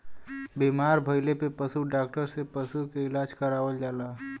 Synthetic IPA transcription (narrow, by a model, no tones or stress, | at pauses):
bimaɾbʱəjlepepəsuɖak̚ʈəɾsepəsukeɪlad͡ʒkəɾabəld͡ʒala